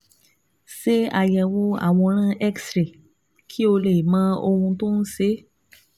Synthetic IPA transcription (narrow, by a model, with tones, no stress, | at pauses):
se˦a˨jɛ˨wo˧˦a̰˦˨w̃ɔ̃˧ɾ̃ã˦˨ʔɛ˦ksɾe˨ | kʰi˦o˧le˨mã˦o̰˧hũ˧to˦n̩˦se˨˦